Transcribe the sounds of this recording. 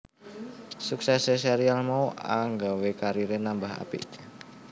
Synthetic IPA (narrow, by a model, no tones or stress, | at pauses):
suksɛseseɾialmaua̰ŋɡawekaɾiɾenambaɦa̰pḭ